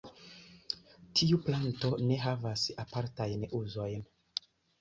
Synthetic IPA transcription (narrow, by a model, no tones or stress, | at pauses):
tʰiupanto̞ne̞ɦavasapaɾtajnuzo̞jn